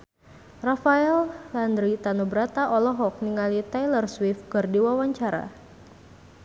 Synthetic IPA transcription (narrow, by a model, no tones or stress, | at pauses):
rafaɛlːand̪ɾit̪anubɾat̪aʔɔlɔɦɔk̚niŋalit̪ajlərswifkɨrdiwawaɲt͡ʃaɾa̰